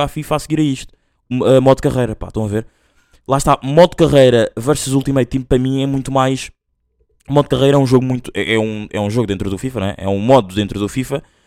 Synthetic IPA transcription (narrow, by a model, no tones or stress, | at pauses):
afifasɣiɾɐiʃt̪u̥ | ɛmɔðkɐʁɐjɾɐpa̰ʃt̪ɐ̃w̃ɐveɾ | lˠaʃt̪amɔðkɐʁɐjɾɐvɛɾsɐzulˠt̪imɐjɾut̪ĩmpɾɐmĩɛmũj̃t̪umajʃ | mɔðkɐʁɐjɾɐɛũʒoɣumũj̃t̪u̥ɛʔɛũɛũʒoɣudẽnt̪ɾuðufifɐñɛ̰ʔɛ̰ũmɔðuðẽnt̪ɾuðufifɐ